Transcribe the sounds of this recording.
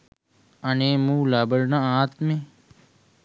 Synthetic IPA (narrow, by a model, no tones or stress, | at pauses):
əneːmũːlaːbəɽnãaːt̪mẽ